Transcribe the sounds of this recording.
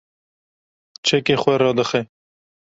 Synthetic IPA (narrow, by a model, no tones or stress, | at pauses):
t͡ʃʰɛkeːxwɛɾɑːd̪ɨxɛ